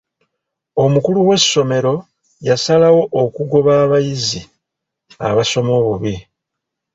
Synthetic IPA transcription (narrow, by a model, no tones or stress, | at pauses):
o̞mukuluwe̞sːo̞me̞ɾo̞ | jasalawo̞ʔːkuɡo̞βaːβajizi | a̰βaso̞mo̞ːβuβi